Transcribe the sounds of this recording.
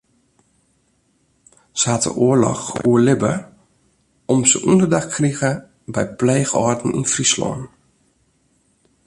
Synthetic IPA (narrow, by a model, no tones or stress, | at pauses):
səhatə̰ʔoərlɔ̰xuəlɪbə | ɔmsə̰ʔundərdaxkriɣə | bɛjpleːxɔrtn̩ḭnfrislɔ̰ːn